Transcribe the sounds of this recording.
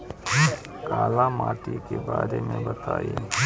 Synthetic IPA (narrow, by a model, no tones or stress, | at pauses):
kaːlamaːʈikebaːɾemẽbɐt̪aːe